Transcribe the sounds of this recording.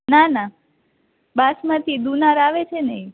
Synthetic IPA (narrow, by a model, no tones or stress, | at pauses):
nana | basmãt̪ʰid̪unaɾaʋet͡ʃʰenəĩ